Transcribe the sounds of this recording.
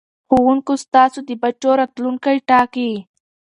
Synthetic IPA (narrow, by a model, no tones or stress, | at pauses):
xowuŋkost̪ɑːsod̪ibat͡ʃoɾat̪luŋkajʈɑki